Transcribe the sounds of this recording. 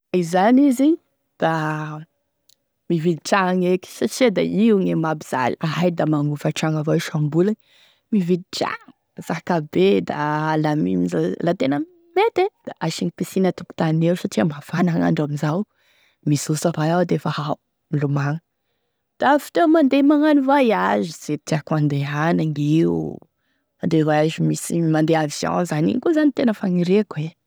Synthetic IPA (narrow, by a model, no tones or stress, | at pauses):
izaniziɲ | d̪̥a | mivid̪iʈ͡ʂaaŋekʲi̥saʈ͡ʂed̪a̰ʔiŋemabiz̥a̰liaɦajd̪amaŋufaʈ͡ʂaŋavaʃambulaɲ | mivid̪iʈ͡ʂa̰ŋ | z̥aɦkabed̪alamiizlat̪enə | met̪ed̪̥aʔaʃiŋipesinət̪uku̥t̪anineusaʈ͡ʂiambafanaŋa̰ɳɖ͡ʐamizaw | misusavajawd̪eefahaw | milumaŋə | d̪̥afi̥t̪emand̪emaŋanivajaziz̥et̪iakuãnd̪eanaŋiu | and̪evajaʒimisimand̪eavisjõ̰zanḭŋkuzanit̪enəfaŋiɾekue